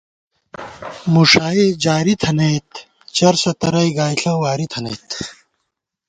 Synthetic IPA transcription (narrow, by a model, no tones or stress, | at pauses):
muʂaːid͡ʑaːɾit̪ʰɐnɐjt̪ | t͡ɕɐɾsɐt̪ɐɾɐjɡaːjɬʰɐwaːɾit̪ʰɐnɐ̰jt̪